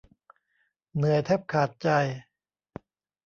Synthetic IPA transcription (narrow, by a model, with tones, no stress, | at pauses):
nɯ˨˩˦əjt̪ʰɛ˦˥˩p̚kʰaː˨˩t̪̚t͡ɕa˧j